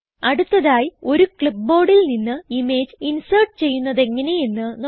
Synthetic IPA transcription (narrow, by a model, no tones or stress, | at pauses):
ɐɽut̪ːɐðaːjio̞ɾukɭipːo̞ːɽilninːɨime̞ːd͡ʑinsɐrʈɨt͡ɕe̞jːunːɐðe̞ŋːɐne̞jenːɨn